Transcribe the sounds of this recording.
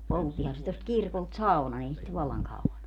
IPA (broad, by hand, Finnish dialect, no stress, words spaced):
poltːihɑn se tost kirkolt sɑu̞nɑn ei sit ʋɑlːɑŋ kɑuɑn o